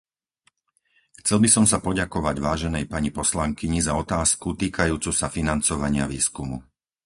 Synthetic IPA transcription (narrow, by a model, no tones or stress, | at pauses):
xt͡sɛlbisɔmsapɔɟakɔʋaɟʋaːʒɛnɛjpaɲipɔslaŋkiɲizaɔt̪aːskut̪iːkajuːt͡susafinant͡sɔʋaɲɪaʋiːskumṵ